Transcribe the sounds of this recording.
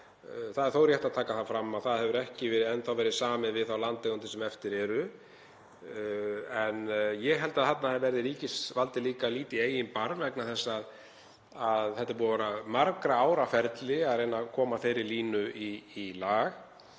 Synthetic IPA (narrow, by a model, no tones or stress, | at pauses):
θaðɛɾ̥θowɾrjɛht̪aðt̪ʰaːkaθafɾamːaðθaðhɛvʏɾɛhcɪvɛːɾɪðɛnθawvɛːɾɪðsaːmɪnvɪðθawlant̪eɣʏnt̪ɪsɛmɛft̪ɪɾɛɾʏ | ɛnjɛɣɦɛlt̪aðθat̪naɛvɛɾðɪliːcɪsvalt̪ɪliːkaliːt̪ɪeːjɪnpaɾvɛknaθɛsːaað | aðhɛht̪aɾpuːavaɾamaɾkɾaaːwɾafɛɾt̪lɪaðrejnakʰɔːmaθejɾɪliːnʏiːlaːɣ